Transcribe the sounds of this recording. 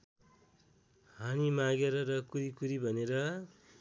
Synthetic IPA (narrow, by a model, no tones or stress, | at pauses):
hanimaɡeɾʌɾʌkuɾikuɾibʱʌneɾʌ